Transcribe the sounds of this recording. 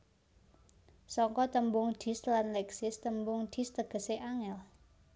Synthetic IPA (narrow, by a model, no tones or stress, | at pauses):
sɔŋkɔt̪əmbʊŋd̪̥i̤slanlɛksɪst̪əmbʊŋd̪̥i̤st̪əɡ̥ə̤seʔaŋɛl